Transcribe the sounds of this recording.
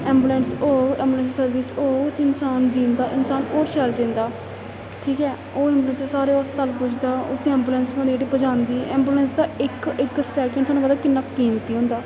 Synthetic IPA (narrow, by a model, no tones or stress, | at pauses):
ɛ̃ːmbuːlɛ̃ːnsoːɛ̃ːmbuːlɛ̃ːns̬isəɾʋiːsoːt̪ːɪnsaːnd͡ʒĩːnd̪aːʔɪnsaːnoːɾʃɛld͡ʒĩːnd̪aː | ʈʰiːkɛː | oːɛ̃ːmbuːlɛ̃nssaːɾeːɔst̪əlpʊd͡ʒʰd̪aːʊ̰sẽɛ̃ːmbuːlɛ̃ːnsmãːd̪ieʈiːbəd͡ʒãːnd̪iːɛːmbuːlɛ̃ːnsd̪aːɪkɪksɛːkə̃ɳɖsʰaːnũːpəd̪aːkɪnːaːkiːmt̪iːɦʊ̃nd̪aː